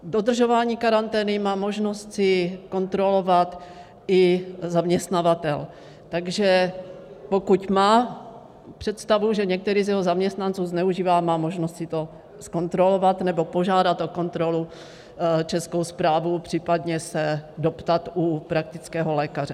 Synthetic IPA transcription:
dod̪r̩ʒovaːɲiːkaɾant̪ɛːnɪmaːmo̞ʒno̞st̪sɪko̞nt̪ɾo̞lovat̪ | ɪzamɲɛst̪navat̪ɛl | t̪aɡʒɛ | po̞kucmaː | pr̝̥ɛt̪st̪avuʒɛɲɛk̚t̪ɛɾiːzjɛɦozamɲɛst̪nant͡suːznɛuʒiːvaːmaːmo̞ʒnost̪sɪt̪o | sko̞nt̪ɾolovat̪nɛbo̞po̞ʒaːdat̪ʔo̞ko̞nt̪ɾo̞lu | t͡ʃɛskowspɾaːvupr̝̥iːpad̪ɲɛsɛdo̞pt̪at̪upɾak̚t̪ɪt͡skɛːɦolɛːkarɛ

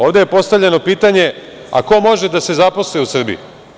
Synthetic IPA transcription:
oːʋd̪e̞je̞po̞st̪avʎe̞no̞piːt̪aɲe̞ | a̰ko̞mo̞ʒe̞d̪ase̞zapo̞slojusr̩bḭṵ

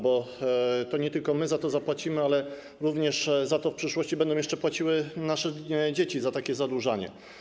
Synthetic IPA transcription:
bɔt̪ɔɲɛt̪ɘlkɔmɘzat̪ɔzapwat͡ɕimɘalɛ | ɾuvɲɛʂzat̪ɔfpʂɘʂwɔɕt͡ɕibɛnd̪ɔ̃jɛʂt͡ʂɛpwat͡ɕiwɘnaʂɛd͡ʑet͡ɕizat̪akʲɛzad̪wuʐaɲɛ̰

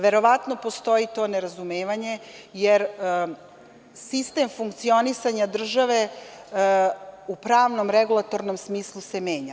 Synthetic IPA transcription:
ʋe̞ɾo̞ʋat̪no̞po̞st̪o̞it̪o̞ːneɾazumeːʋaɲe̞jeɾ | sist̪e̞mfuŋk̚t̪sio̞nisaɲad̪r̩ʒaʋe̞ | upɾaːʋno̞mɾeɡulˠat̪o̞ɾno̞msmiːslˠuse̞me̞ːɲa

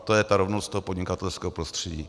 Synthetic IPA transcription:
t̪ojɛt̪aɾovnost̪t̪oɦopo̞dɲɪkat̪ɛlskɛːɦopɾost̪r̥ɛɟḭː

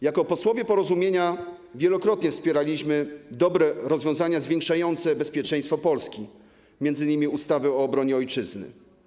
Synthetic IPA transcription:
jakɔpɔswɔvʲjɛpɔɾɔzumʲjeɲa | vʲjɛlɔkɾɔt̪ɲɛfspʲjɛɾalʲiɕmɘd̪ɔbɾɛɾɔzvʲjɔ̃w̃zaɲazvʲjeɛŋkʂajɔnt̪sɛbɛspʲjɛt͡ʂɛ̃j̃st̪fɔpɔlskʲi | mjɛnd̪zɘɲimʲiust̪avɘɔːbɾɔɲɛɔjt͡ʂɘznɘ̰

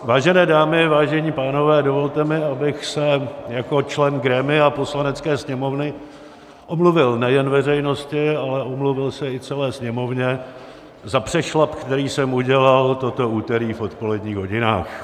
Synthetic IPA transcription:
vaːʒɛnɛːdaːmɪvaːʒɛɲiːpaːno̞vɛːdovo̞lt̪ɛmɪabɪxsɛjako̞t͡ʃlɛnɡɾɛmɪapo̞slanɛt͡skɛːsɲɛmovnɪ | ʔomluvɪlnɛjɛnvɛrɛjnoscɪalɛʔo̞mluvɪlsɛɪt͡sɛlɛːsɲɛmo̞vɲɛ | zapr̥ɛʃlapkt̪ɛɾiːsɛmuɟɛlalt̪ot̪o̞uːt̪ɛɾiːfo̞t̪po̞lɛdɲiːɣɦo̞ɟɪna̰ːx

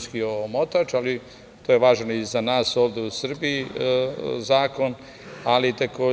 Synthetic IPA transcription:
skiomot̪at͡ʃali | t̪ojeʋaːʒnoizanaːso̞ːʋd̪eusr̩bii | zaːko̞n | alit̪akoː

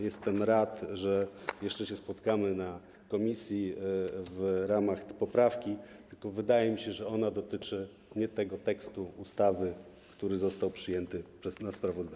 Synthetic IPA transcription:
jɛst̪ɛmɾat̪ʐɛjɛʂt͡ʂɛɕɛspɔt̪kamɘna | kɔmʲisʲjivɾamaxpɔpɾafkʲit̪ɘlkɔvɘd̪ajɛmʲiɕɛʐɛɔnad̪ɔt̪ɘt͡ʂɘ | ɲɛt̪ɛɡɔt̪ɛkst̪uust̪avɘ | kt̪uɾɘzɔst̪awpʂɘjɛnt̪ɘpʂɛsnaspɾavɔzd̪a

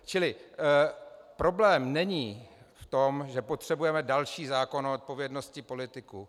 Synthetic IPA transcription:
t͡ʃɪlɪ | pɾo̞blɛːmnɛɲiːft̪o̞mʒɛpot̪r̝̥ɛbujɛmɛdalʃiːzaːko̞noot̪̚po̞vjɛdno̞scɪpo̞lɪt̪ɪku

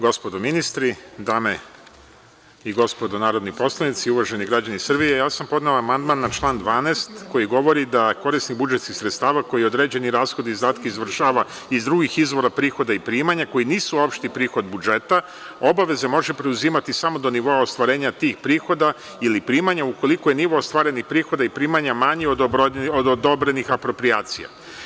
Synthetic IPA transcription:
ɡo̞spod̪ominist̪ɾid̪aːme | iɡo̞spo̞d̪onaːɾo̞d̪nipo̞slˠanit̪siuʋaʒe̞niɡɾad͡ʑanisr̩bijejaːsampo̞d̪nelaːmand̪manːat͡ʃlˠaːnd̪ʋaːnest̪ko̞jiɡo̞ʋo̞ɾid̪ako̞ɾisniɣbud͡ʒet̪skixsɾet̪st̪aːʋako̞jio̞d̪ɾe̞ːd͡ʑe̞niɾaːsxo̞d̪izd̪aːt̪keizʋr̩ʃaːʋa | izd̪ɾuɡixizʋo̞ɾapɾiːxo̞d̪aipɾiːmaɲako̞jiniːsuopʃt̪ipɾiːxo̞d̪bud͡ʒe̞t̪a | o̞baʋe̞ze̞mo̞ʒepɾe̞uziːmat̪isamo̞d̪o̞niʋo̞aost̪ʋaɾe̞ːɲat̪iːxpɾiːxo̞d̪a | ilipɾiːmaɲauko̞likojeniʋo̞ost̪ʋaːɾe̞nixpɾiːxo̞d̪aipɾiːmaɲamaɲiod̪od̪od̪o̞bɾe̞nixapɾo̞pɾijaːt̪sija̰

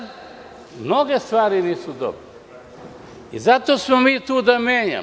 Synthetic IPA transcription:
mno̞ɡest̪ʋaːɾiniːsud̪o̰bɾe | izat̪oːsmomiːt̪uːd̪amjeːɲa̰

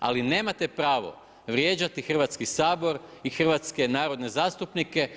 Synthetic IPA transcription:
a̰line̞ːmat̪e̞pɾaːʋo̞̰ | ʋɾje̞ːd͡ʑat̪ixr̩ʋat̪skisaːbo̞ɾixr̩ʋat̪ske̞naːɾo̞d̪ne̞zaːst̪upnike̞

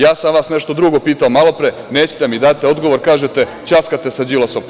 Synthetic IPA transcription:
jaːsamʋaːsneʃt̪o̞d̪ɾuɡo̞piːt̪aomalo̞pɾe | neːt͡ɕe̥t̪emid̪at̪ːeo̞d̪ɡo̞ʋoɾkaːʒet̪e | t͡ɕaskat̪e̞sad͡ʑilˠoso̞m

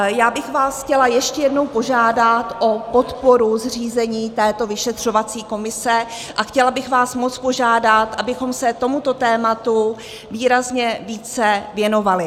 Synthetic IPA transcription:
jaːbɪxvaːsxcɛlajɛʃcɛjɛdno̞wpo̞ʒaːdat̪ʔo̞pot̪poɾuzriːzɛɲiːt̪ɛːt̪o̞vɪʃɛt̪r̝̥o̞vat͡siːko̞mɪsɛ | ʔaxcɛlabɪxvaːsmo̞t͡spo̞ʒaːdat̪ʔabɪxo̞msɛt̪o̞mut̪o̞t̪ɛːmat̪u | viːɾazɲɛviːt͡sɛvjɛno̞valɪ

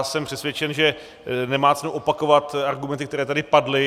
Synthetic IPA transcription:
sɛmpr̝̥ɛsvjɛt͡ʃɛnʒɛ | nɛmaːt͡sɛnuwʔopako̞vat̪aɾɡumɛnt̪ɪkt̪ɛɾɛːt̪adɪpadlɪ

